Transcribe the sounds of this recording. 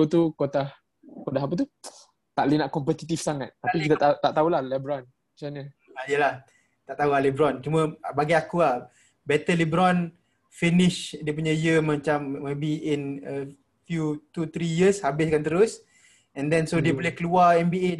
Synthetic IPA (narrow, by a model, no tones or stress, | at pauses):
ot̪ukot̪ah | kodaɦapət̪̬u | t̪aʔlinaʔkɔmpət̪it̪ifsaŋa̰t̪̚ːapikit̪at̪at̪aʔt̪aulahlɛbɾɔn | mat͡ʃaɲə | ijəlah | t̪aʔt̪aulahlɛbɾɔnt͡ʃumə̃baɡiakulah | bɛt̪əlibɾɔn | finɪʃdiəpuɲəjəmat͡ʃamːebiinə | fjut̪ut̪ɾijəshabɪskant̪əɾʊs | ɛndɛnsodiəbolɛhkəluaɛmbie